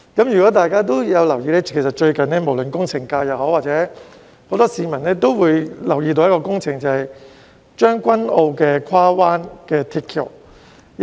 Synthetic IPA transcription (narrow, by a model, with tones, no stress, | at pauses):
kɐ˨˥mjyː˨kɔ˨˥t̪aː˨jkaː˥t̪̬o˥wjɐ˨˧wlɐ˨˩wjiː˧lɛː˥kʰe˨˩s̬ɐ˨˩t̚t͡ʃɵ˧ɥkɐ˨nɛː˥mo˨˩wlɵ˨nkʊ˥ŋt͡sʰɪ˨˩ŋkaː˧jɐ˨˩wɦoː˨˥waː˨˩t͡sɛː˨˧˥ | ho˨˥wt̪ɔː˥siː˨˧mɐ˨˩nɛː˥t̪o˥wwuː˨˧jlɐ˨˩wjiː˧t̪o˧wjɐ˥tkɔː˧kʊ˥ŋt͡sʰɪ˨˩ŋt͡sɐ˨˩hɐ˨j | t͡ʃœː˥ŋkʷɐ˥no˧wkɛː˧kʷʰwaː˥waː˥nkɛː˧t̪ʰi˧t̚kʰːḭ˨˩